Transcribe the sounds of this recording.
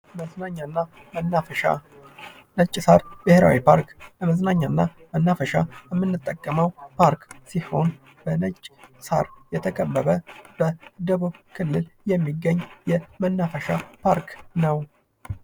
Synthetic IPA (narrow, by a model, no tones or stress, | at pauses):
mənaɲːanːa | a | nət͡ʃʼːsaɾbɨheɾa̰wipʰaɾkləməznaɲːanːa | mənːafəʃajɛmːɨnːɨt̪ʼːəkʼːəməwpʰaɾksiho̞n | b̥ənət͡ʃʼːsa̰ɾjɛt̪ʰəkʼəbːəβəb̥əd̪əβuβkʰɨlːɨljɛmːiɡːəɲːjɛmənːafəʃapʰaɾknəw